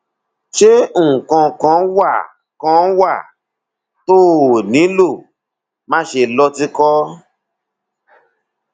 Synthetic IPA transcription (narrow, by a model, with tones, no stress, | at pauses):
ʃe˦ũ˨kɔ̃˧kɔ̃˨˦wa˦˨ | kɔ̃˨˦wa˦˨ | to˦˨nĩ˨˦lo˦˨ | mã˧˦ʃe˨lɔ˧ti˧kɔ˦